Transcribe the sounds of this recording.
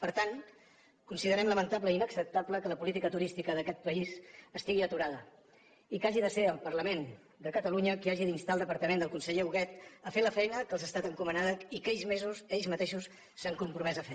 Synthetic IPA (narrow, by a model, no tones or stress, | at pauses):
pəɾt̪an | kunsiðəɾɛmləmənt̪ap̬ləinəksəp̚t̪apləkələpulit̪ikət̪uɾist̪ikəðəkɛt̪̚pəizəst̪iɣiət̪uɾaðə | ikaʒiðəseəlˠpərləmen | d̪əkət̪əluɲəkiaʒiðinst̪alˠd̪əpəɾt̪əmend̪əlˠkunsəʎeuɣɛt̪əfeləfɛjnəkəlˠzəst̪at̪əŋkumənaðəikɛʎzmezusɛʎzmət̪eʃusː | aŋkumpɾumɛzəfe